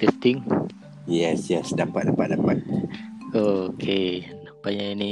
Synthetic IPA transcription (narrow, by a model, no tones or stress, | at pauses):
t̪ɛst̪ĩŋ | jɛsjɛsdapat̪̚dapat̪̚dapat̪̚okʰenapaɲaini